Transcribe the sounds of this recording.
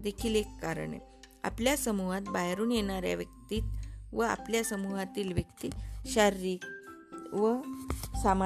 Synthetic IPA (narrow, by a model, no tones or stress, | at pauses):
d̪ekʰiːlekːaɾə̰ɳḛ | a̰pljasəmuɦat̪̚baɦɾuːnjeɳaɾja̰ʋjək̚t̪iːt̪ʋəa̰pljasəmuɦat̪iːlʋjəkt̪iːɕaɾɾiːk | ʋəsam